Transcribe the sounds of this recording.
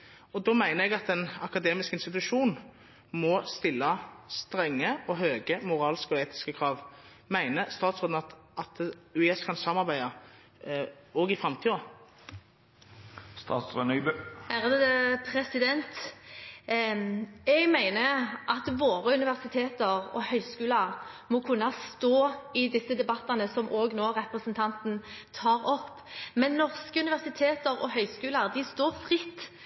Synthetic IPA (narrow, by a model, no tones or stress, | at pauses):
ɔd̪ɔmæɪnəɛɡɑt̪ɛnɑkɑd̪eːmɪskɪnst̪ɪt̪ʉʃuːn | mɔst̪ɪlːɑst̪ɾɛŋːəɔɦøːɡəmʊʁɑːlskɔeːt̪ɪ̥skəkʰʁɑːʋ | mæɪnəst̪ɑːt̪sʁoːd̪nɑt̪ʔɑt̪ʉɛskʰɑnsɑmɑʁbæɪɑ | ɔɡɪfʁɑmt̪ʰiːɑ | st̪ɑ̰ːt̪sʁønœbʉæʁd̪pʰʁɛsɪd̪ɛnt̪ | ɛɡmæɪnəʔɑt̪ʋoːʁəʉnɪʋæʁsɪt̪ʰeːt̪əʁɔ̰hœʏskʉːlɑʁmɔkʰʉnːɑst̪oːɪd̪ɪsəd̪ɛbɑt̪ːɑnəsɔmʔoːɡnoːʁɛpʁəsnt̪ʰɑnt̪nt̪ʰɑːʁɔpː | mɛnːɔʁskəʉnɪʋæʁsɪt̪ʰeːt̪əʁɔ̰hœʏskʉːlɑʁd̪ɪst̪oːʁfʁɪt̪ː